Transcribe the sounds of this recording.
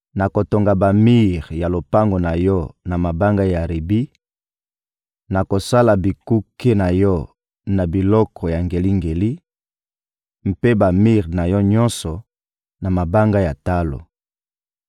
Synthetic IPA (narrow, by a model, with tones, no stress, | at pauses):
na˨ko˨to˨ŋɡa˨ba˨mi˦ʁja˨lo˨pa˦ŋɡo˨na˨jɔ˦na˨ma˨ba˦ŋɡa˦ja˨ʁi˨bi˦ | na˨ko˨sa˦la˨bi˨ku˦ke˦na˨jɔ˦ | na˨bi˨lɔ˦kʰɔ˨ja˨ŋɡe˨li˦ŋɡe˨li˦ | m̩˦pe˦ba˨mi˦ʁna˨jɔ˦ɲɔ̃˦nsɔ˨ | na˨ma˨ba˦ŋɡa˦ja˨ta˦lo̰˨